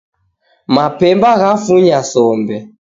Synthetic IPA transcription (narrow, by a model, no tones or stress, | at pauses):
mapɛmbaɣafuɲasɔmbɛ